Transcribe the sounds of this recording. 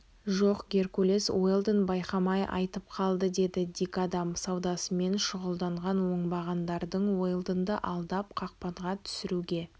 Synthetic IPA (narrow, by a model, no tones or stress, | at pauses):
ʒo̞qɡʲe̞ɾkolʲe̞swo̞jlˠd̪ənbɑjqɑmɑjʔɑ̰jt̪əp̚qʰɑlˠd̪əd̪e̞d̪ɪd̪ikad̪ɑmsɑwd̪ɑsəme̞nʃʊʁəlˠd̪ɑɴʁɑnwo̞ɴbɑʁɑnd̪ɑɾd̪əɴwo̞jlˠd̪ənd̪əʔɑlˠd̪ɑpqʰɑq̚pɑɴʁɑt̪ʰʏ̥sɪɾuɡʲe̞